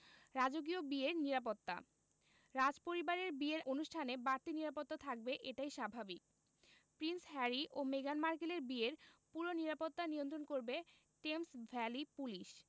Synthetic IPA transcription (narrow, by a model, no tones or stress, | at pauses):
ɾad͡ʑoɡiobieɾniɾapot̪ːa̰ | ɾad͡ʑpoɾibaɾeɾbieɾonuʃʈʰanebaɾt̪iniɾapot̪ːat̪ʰak̚beʔeʈajʃabʱabik̚ | pɾinsɦɛɾiʔomeɡanmaɾkileɾbieɾpuɾoniɾapot̪ːanijont̪̬ɾonkoɾbe | ʈemsvʱɛlipuliʃ